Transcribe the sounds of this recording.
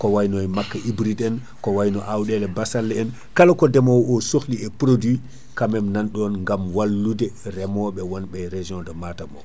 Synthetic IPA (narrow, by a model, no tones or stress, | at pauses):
kɔwajnɔjmakːaʔibɾidɛn | kɔwajnɔʔawɗɛlɛbasalːɛɛn | kalakɔdɛmɔwɔsoxliɛpɾodwi | kamɛmnanɗɔnŋɡamwalːudɛɾɛmɔɓɛwɔnɓɛɾed͡ʒɔ̃ndɔmatamɔ̰